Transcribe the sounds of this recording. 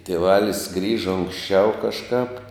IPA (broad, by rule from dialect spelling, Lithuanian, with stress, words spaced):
tʲiɛˈʋɑːlʲɪs ˈɡrʲiːʒɐ ʊŋksʲˈt͡ʃʲɛʊ kɐʃˈkɑːp